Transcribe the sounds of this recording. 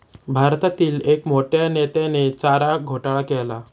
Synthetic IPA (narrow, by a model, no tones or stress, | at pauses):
bʱaɾt̪at̪iːlekmoʈjanet̪enet͡saɾaɡʱoʈaɭakela